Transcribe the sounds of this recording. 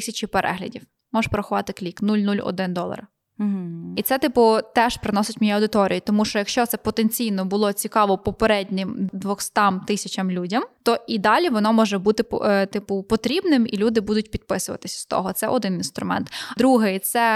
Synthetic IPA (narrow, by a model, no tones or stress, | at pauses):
sʲɐt͡ʃipeɾʔɛ̰ɦlʲɐ̰dʲiw | mɔʃpɔɾɐxʊʋɑt̪ɪklʲiknulʲnulʲɔ̰d̪ɪnd̪ɔlˠɐ̰r̩ | it̪sɛt̪ɪpʊt̪ɛʃpɾɪnɔsɪtʲmʲɔjɛɐwd̪ɪt̪ɔɾʲḭjit̪ɔmuʃt͡ʃɔjɐkʃt͡ʃɔt̪sɛpɔt̪enʲt͡sʲijnɔbʊlˠɔt͡sʲikɑʋɔpɔpeɾɛdʲnʲɪmd̪ʋɔxst̪ɑmt̪ɪsʲɐt͡ʃɐmlʲudʲɐmt̪ɔid̪ɑlʲiʋɔnɔmɔʒɛbut̪ɪpt̪ɪpʊpɔt̪ɾʲibnɪmḭlʲud̪ɪbud̪ʊtʲpʲid̪̚pɪsʊʋɐ̰t̪ɪsʲɐ̥st̪ɔ̰ɦɔt̪sɛ̰ʔɔd̪ɪninst̪ɾʊ̰mɛ̰nt̪d̪ɾuɦɛt̪sɛ